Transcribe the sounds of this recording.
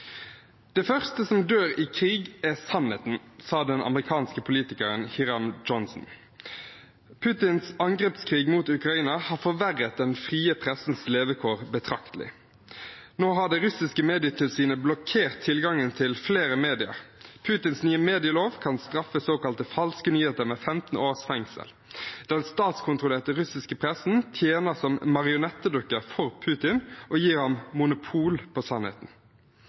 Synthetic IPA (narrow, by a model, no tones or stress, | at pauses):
d̪̥ɛfœʁst̪əsɔmd̪øːʁiːkʰʁiːɡæsɑnhḛːt̪n̩sɑːd̪ɛnɑ̰məʁɪkʰɑːnskəpʰʊliːt̪ɪkəʁənhɪʁɑmd͡ʒɔnsn̩ | pʰʉːt̪ɪnsɑŋɡʁɛpskʰʁiːɡmuːt̪ʉkʁɑiːnɑhɑːfɔʋæʁːət̪̚d̪ɛnfʁiːəpʰʁɛsn̩sleːʋəkʰoːʁbət̪ʰʁɑkt̪əlɪ̰ | noːɦɑɖɛʁʉsɪskəmeːd̪ɪət̪ʰɪlsiːnəblɔkʰeːʁt̪ʰːɪlɡɑŋənt̪ʰɪlfleːʁəmeːd̪ɪə̰ʁpʰʉːt̪ɪnsnyːəmeːd̪ɪəloːʋkʰɑnst̪ʁɑfəsoːkɑlt̪əfɑlskənyːheːt̪əʁmeːfɛmt̪n̩oːʁsfɛŋsə̰l | d̪ɛnst̪ɑːt̪skʰʊnt̪ʁʊleːʁt̪əʁʉsɪskəpʰʁɛsn̩t̪ʰjeːnəsɔmːɑʁɪʊnɛt̪ːəd̪ʊkːəʁfɔʁpʰʉːt̪ɪnʔɔːjiːʁhɑmmʊnʊpʰuːlpʰosɑnhḛːt̪n̩